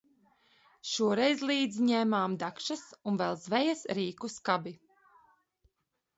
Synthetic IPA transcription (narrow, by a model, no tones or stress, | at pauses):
ʃuɔɾɛjzlˠiːd̪zɲɛːmaːmd̪akʃasunvɛlˠzvɛjasɾiːkuskabi